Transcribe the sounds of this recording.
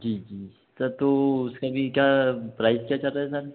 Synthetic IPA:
d͡ʒiːd͡ʒiː | səɾt̪oʊskabʱikjapɾaːɪzkʲjat͡ʃɐlɾaɦɛsəɾ

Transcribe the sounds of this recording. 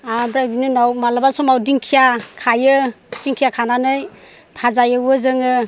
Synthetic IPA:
abɾajbinɯnawmalabasɔmawdiŋkʰijakʰajɯ | t͡ʃiŋkʰijakʰananɯj | pʰazajɯwɯzɯŋɯ

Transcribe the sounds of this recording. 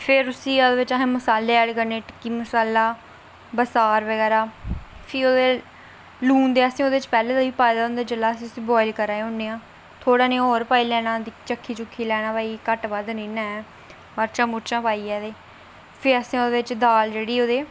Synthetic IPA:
pʰɪɾʊsĩːaːd̪eːʋɪt͡ʃaɦːməsaːlːeːɛːɽkəɾneːʈɪ̥kːiːməsaːlaː | bəsaːɾʋəɡɛːɾaːpʰiːoːd̪eː | luːnd̪eːəsĩːoːd̪eːɪt͡ʃpɛːlẽːd̪aːʋiːpaːjd̪aːʊ̃nd̪aːd͡ʒəlaːəsĩːʊsĩːbɔːɪlkəɾaːeʊnːeːãː | t̪ʰoːɽaːnẽːɔːɾpaːiːlɛːnaːd̪it͡ʃəkʰːiːt͡ʃʊkʰːiːlɛːɽ̃ãːbaːiːkəʈbaːd̪nĩːnaːɛː | məɾt͡ʃãːmʊɾt͡ʃãːpaːiːɛːd̪eː | pʰɪəsĩːoːd̪eːʋɪt͡ʃd̪aːld͡ʒeːɽiːoːd̪eː

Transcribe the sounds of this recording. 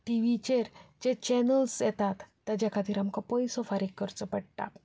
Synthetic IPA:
ʈiʋit͡ɕeɾd͡ʑet͡ɕɛnəlsjɛt̪at̪ːad͡ʑakʰat̪iːɾamkɔpɔjsɔfaɾikːəɾt͡sɔpəɽʈa̰

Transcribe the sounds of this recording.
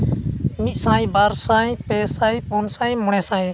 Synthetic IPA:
misãːĩːbaːɾsãːĩːpeːsaːiːponsaːĩːmʊɳɛːsaːeː

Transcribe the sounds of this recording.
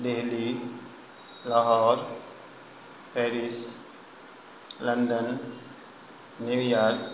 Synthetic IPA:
d̪eɦli | lɔɦɔːɾ | pɛːɾis | lɐnd̪ən | niʋijaːl

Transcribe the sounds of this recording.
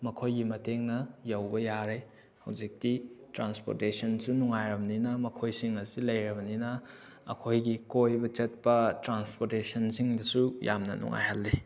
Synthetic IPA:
mɐkʰojɡimɐteŋnɐjɐwbɐjaɾe | hɐwd͡ʒik̚titɾanspo̰ɾtesɐnsunuŋajɾɐbɐninɐmɐkʰojsiŋɐsilɐjɾɐbɐninɐ | ɐ̰kʰojɡikojbɐt͡ʃɐt̚pɐtɾanspoɾtesɐnsiŋdɐsujʔa̰mnɐ̰nṵŋa̰jhalːi

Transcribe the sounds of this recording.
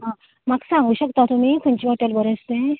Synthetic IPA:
ɦã | maksãŋɡuːɕəkt̪at̪umiːkʰuɲt͡ɕiɦoʈəlbəɾest̪ẽ

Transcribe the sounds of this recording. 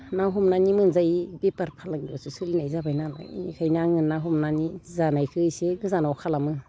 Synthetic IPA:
naɦumnanimɯnzajibepaɾpʰalaŋibasusɯlinajzabajnala̰ḭnḭkʰajnaŋɯnaɦumnanizanajkʰɯjseɡɯzanawkʰalamɯ

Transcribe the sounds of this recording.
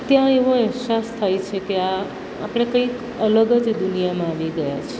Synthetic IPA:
t̪jãeʋoɛɦsast̪ʰajt͡ʃʰekea | a̰pɽ̃ekəik | ələɡəd͡ʒd̪unijamãːʋiɡəjat͡ʃʰe

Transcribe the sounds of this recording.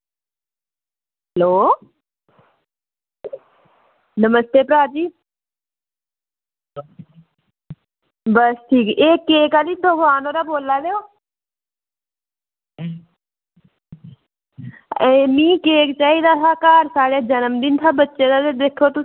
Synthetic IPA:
ɦɦəloː | nəməst̪eːpɾaːɾd͡ʒiː | bəsʈʰiːkeːkːeːkaːliːd̪oɡaːnoːɾaːboːlːaːleoː | emĩːkeːkt͡ʃaːiːd̪aːt̪ʰaːkaːɾsaːɽeːd͡ʒənəmd̪ɪnt̪ʰaːbətːʃeːd̪aːt̪ed̪eːkʰːoːt̪ʊ

